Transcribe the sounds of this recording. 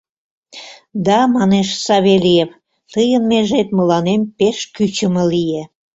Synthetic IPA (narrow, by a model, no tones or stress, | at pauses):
d̪ɑmɑneʃsɑβelijef | t̪əjənmeʒet̪məlɑnempeʃkyt͡ɕə̆mə̆lije